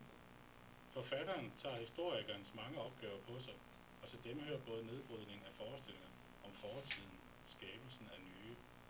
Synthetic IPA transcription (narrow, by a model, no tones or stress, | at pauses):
fɒfæd̥ɐːnt͡sʰɑ̰̈ːhisd̥o̝ɐ̰iɡ̥ɐnəsmɑ̈ŋəɒ̽b̥̚ɡ̥ɛ̰ːʊɐpʰɒ̽sɑ̈ɪ | ɒ̽sɒd̥emhø̰ːɐb̥ɔ̽ːð̞̩ˠəne̝ðˠb̥ʁuð̞ˠne̝ŋŋ̩æfɒːsd̥e̝l̰e̝ŋɐ | ɒ̽mfɒːt͡sʰið̞̰ˠn̩ | sɡ̥ɛːb̥l̩sn̩ænyː